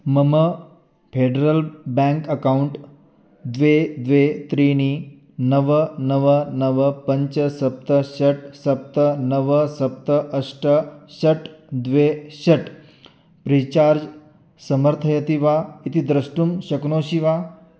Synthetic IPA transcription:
məmə | pʰeɖəɾəlbãŋkəkauɳʈ | d̪ʋed̪ʋet̪ɾini | nəʋənəʋənəʋəpəɲt͡ɕəsɐp̚t̪əɕɐʈsɐp̚t̪ənəʋəsɐp̚t̪əʔəsʈəɕəʈd̪ʋeɕɐʈ | pɾiːt͡ɕaːɾd͡ʒ | səməɾt̪ʰəjət̪iʋait̪id̪ɾəsʈumɕəknoːɕiʋa

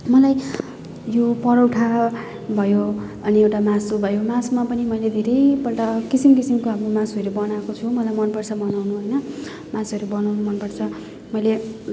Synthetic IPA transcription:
mʌlaj | jopʌɽʌwʈʰa | bʱʌjo | ʌniewʈamasubʱʌjomasmapʌnimʌjled̪ʱeɾʌjpʌlʈakisimkisimkoamɾomãsʌɾubʌnakot͡sʰumʌlajmʌnpʌrt͡sʰʌbʌnawnuɦojnʌ | mãsɦʌɾubʌnawnumʌnpʌrt͡sʰʌ | mʌjle

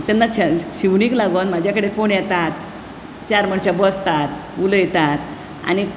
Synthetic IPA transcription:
t̪ɛnːat͡ɕɕiʋɳiːklaɡonmad͡ʑʱjakəɽekoɳjɛt̪at̪̚ | t͡ɕaɾməɳɕabəst̪at̪uləjt̪at̪ | a̰ni

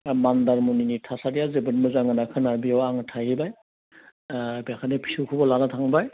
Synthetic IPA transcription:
mandaɾmuninitʰasadijazebɯnmɯzaŋɯnakʰɯnaɾbiawaŋɯtʰajhibaj | biakʰanepʰi̥sukʰubɔlanatʰaŋbaj

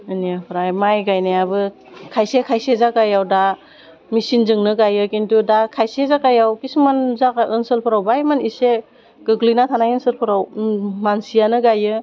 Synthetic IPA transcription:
ɯniapʰɾajmajɡajnajabɯ | kʰajsekʰajsezakajawda | misinzɯŋnɯɡajɯkintʰudakʰajsezakajawkismanzakaɯnsɯlpʰɯɾawbajmanise | ɡ̥ɯɡlinatʰanajɯnsɯlpʰɯɾawmansijanɯɡajɯ

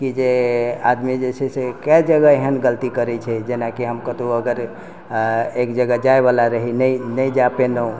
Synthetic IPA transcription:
kid͡ʒead̪mid͡ʒesʰɛsekad͡ʒəɡaeɦənɡəlt̪ikəɾɛt͡ʃʰɛd͡ʒenakiɦəmkət̪uəɡəɾ | ekd͡ʒəɡad͡ʒaebalaɾəɦinəinəjd͡ʒapenəũ

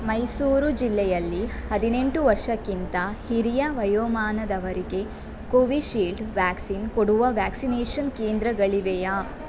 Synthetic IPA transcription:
mɐjsuːɾud͡ʒilːɛjɐlːihɐd̪ine̞ɳʈuʋɐɾʂɐkːint̪ɐhiɾijɐʋɐjoːmaːnɐd̪ɐʋɐɾike | koʋiʃiːlɖʋaːksinkoɽuʋɐʋjaːksineːʂɐnkeːnd̪ɾɐɡɐɭiʋɛjɐ

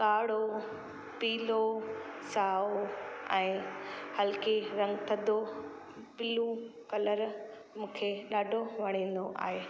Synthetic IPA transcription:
kaːɽ̤o | piːlo | saːoɛ̃ːhɐlkeɾɐ̃ŋɡt̪ʰɐd̪o | pɪlũkɐləɾ | mũːkʰeɗaːɖʱoʋɐɽ̃ĩːn̆d̪oʔa̰ːɦeː

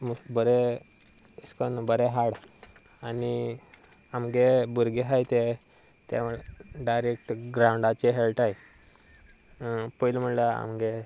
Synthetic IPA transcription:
mubəɾe | əskənbəɾeɦaɽ | ani | amɡebuɾɡeɦajt̪e | t̪a̰ɭɖajɾekʈɡɾãwɳɖat͡ɕeɦelʈaj | pəjlm̤əɳlaa̰mɡe

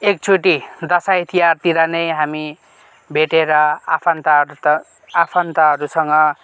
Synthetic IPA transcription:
ek̚t͡sʰuʈid̪ʌsait̪ʰijart̪iɾʌnʌjɦami | bʱeʈeɾʌapʰant̪a | apʰant̪aɦʌɾusʌŋɡʌ

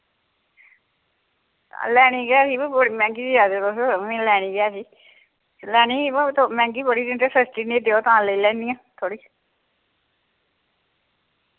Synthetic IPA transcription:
lɛːniːɡɛːsiːbəɽiːmɛ̃ːŋɡiːdiːaːd̪oːt̪oːsmĩːlɛːñiːɡɛːsiː | lɛːniːt̪omɛ̃ːŋɡiːbəɽiːd̪ɪntesəsʈiːneːd̪eːoːt̪ãːləilɛ̃ːnd̪ijãːt̪ʰoːɽiː

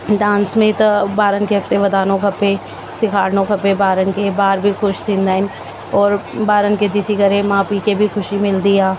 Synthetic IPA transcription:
ɖãːnsmẽt̪ɐbaːɾənkeɦɐk̚t̪eʋɐd̪aːnõkɐpe | sɪkʰaːɾnõkɐpebaːɾənkebaːɾbʱixʊʃt̪ʰɪ̃nd̪aːɪn | ɔːɾbaːɾənked̪ɪsikɐɾemaːpikebʱixʊʃimɪld̪ijaː

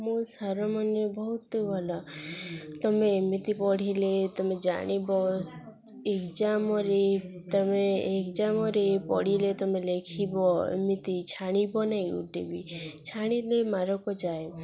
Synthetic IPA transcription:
mũsaɾɔmɔnjɔbɔɦut̪ɔbʱɔla | t̪ɔmemit̪ipɔɽ̤ilet̪ɔmed͡ʒa̰ɽ̃ibɔ | ekd͡ʒamɔɾet̪ɔmeːkd͡ʒamɔɾepɔ̰ɽ̤ilet̪ɔmelekʰibɔḛmit̪it͡ʃʰaɽ̃ibɔnajṵʈebit͡ʃʰaɽ̃ilemaɾɔkɔd͡ʒae

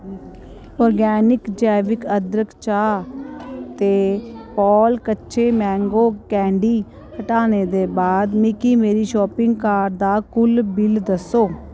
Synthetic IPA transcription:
ɔːɾɡɛːnɪkd͡ʒɛːʋɪkəd̪ɾəkʰt͡ʃaː | t̪eːpɔːlkətːʃʰeːmɛ̃ːŋɡoːkɛ̃ːɳɖiː | həʈaːneːd̪eːbaːd̪mɪkiːmeːɾiːʃɔːpɪŋɡkaːɾd̪aːkʊlbɪld̪əsːoː

